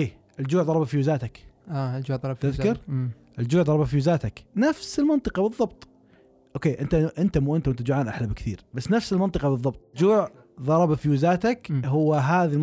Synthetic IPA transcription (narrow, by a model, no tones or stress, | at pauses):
ʔeː | ʔɪld͡ʒuːʕðˤɑɾˤɑbafijuːzaːt̪akaːld͡ʒuːʕˤɑɾt̪ɪðkɑɾ | ʔɪld͡ʒuːʕðˤɑɾˤɑbafiʊzaːt̪aknafsɪlmɑnt̪ˤɨqɑbɨðˤːɑbt̪ˤ | ʔoːkeːʔɪnt̪aʔɪnt̪amuʔɪnt̪aʊnt̪ad͡ʒʊʕaːnʔaħlabkθḭːɾbasːnafsɪlmɑnt̪ˤɨqɑbɨðˤːɑbt̪ˤd͡ʒuːʕ | ðˤɑɾˤɑbafiuʊzaːt̪akɦʊwːaɦaːðil